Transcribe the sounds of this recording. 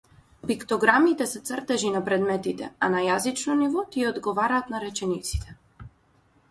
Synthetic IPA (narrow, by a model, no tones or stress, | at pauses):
pikt̪ɔɡɾamit̪ɛsɛt̪srt̪ɛʒinapɾɛd̪mɛt̪it̪ɛanajazit͡ʃnɔnivɔt̪iɛɔd̪ɡɔvaɾaːt̪naɾɛt͡ʃɛnit̪si̥t̪ʰɛ̥